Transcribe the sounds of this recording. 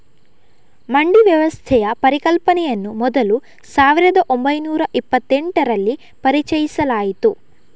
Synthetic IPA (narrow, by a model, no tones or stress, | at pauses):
mɐɳɖiʋjɐʋɐst̪ʰɛjɐpɐɾikɐlpɐnɛjɐnːumɔd̪ɐlu | saːʋiɾɐd̪ɐʔo̞mbɐjnuːɾɐʔipːɐt̪ːeɳʈɐɾɐlːi | pɐɾit͡ʃɐjisɐlaːjit̪u